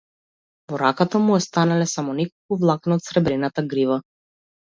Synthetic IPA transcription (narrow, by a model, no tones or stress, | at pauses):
vɔɾakat̪amuɔst̪analɛsamɔnɛkɔlˠkuvlˠaknaɔt̪sɾɛbɾɛnat̪aɡɾiva